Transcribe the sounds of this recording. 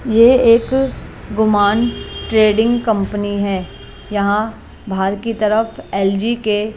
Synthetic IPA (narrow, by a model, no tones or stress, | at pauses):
jeeːkɡʊmaːnʈɾeːɖɪ̃ŋɡkɐ̃mpəniɦɛː | jɐɦã | bʱaːɾkit̪ɐɾəfɛːld͡ʒike